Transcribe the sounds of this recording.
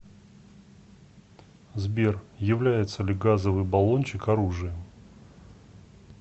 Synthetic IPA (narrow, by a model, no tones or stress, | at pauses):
zbʲerjɪvlʲæjɪt̪səlʲɪɡazəvɨjbɐlˠo̞nʲt͡ɕɪkɐɾuʐɨjə